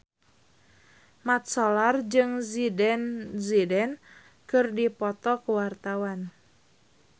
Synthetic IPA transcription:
mat̪̚sɔlard͡ʒɨŋzidɛnzidɛn | kɨrdipɔt̪ɔkəwart̪awan

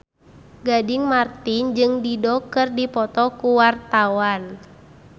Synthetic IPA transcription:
ɡadɪŋmart̪ind͡ʒɨŋdidɔkɨrdipɔt̪ɔkuwart̪awan

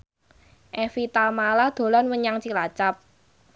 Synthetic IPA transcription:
ʔɛfit̪almalahd̪̥o̤lanwəɲaŋt͡ʃilat͡ʃap̚

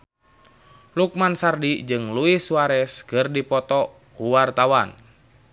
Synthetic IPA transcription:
luk̚mansardid͡ʒɨŋluisuwaɾɛskɨrdipɔt̪ɔ | kuwart̪awan

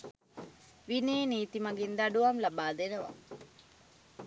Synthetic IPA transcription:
ʋineːniːt̪imɐɡind̪aɖuʋɐmlabaːd̪enəʋa̰

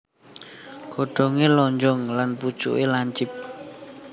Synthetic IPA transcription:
ɡ̥oɖ̥o̤ŋelɔɲd͡ʒʊŋlanpud̥ʒ̥ṵʔelaɲt͡ʃɪp̚

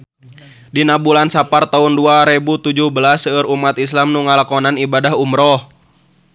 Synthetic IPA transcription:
dinabulansapart̪aunduaɾebut̪ud͡ʒuhbəlasəəɾumat̪islamnuŋalakɔnanibadaɦumɾɔh

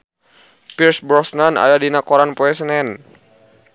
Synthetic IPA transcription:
piɾsbɔsnana̰jadinakɔɾanpɔɛsnɛn

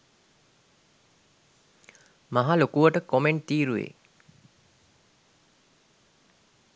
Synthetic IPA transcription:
maɦalokuʋəʈəkomeɳʈ̚t̪iːɾuʋḛ

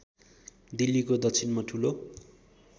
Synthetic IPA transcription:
d̪ilːikod̪ʌkt͡sʰinmʌʈʰulo

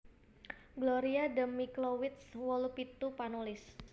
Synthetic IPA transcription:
ɡloɾiadəmːiklowit̪swɔlupit̪upanulɪs

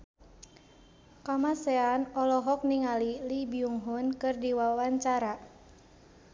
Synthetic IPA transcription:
kamasɛanɔlɔɦɔk̚niŋalilibiuŋɦunkɨrdiwawaɲt͡ʃaɾa

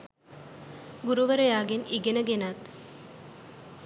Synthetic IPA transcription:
ɡuɾuʋɐɾɐjaːɡeniɡenəɡenat̪

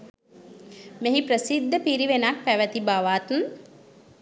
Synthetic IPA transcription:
meɦipɾəsid̪ʱːəpiɾiʋenak̚pæʋət̪ibaʋaːt̪un

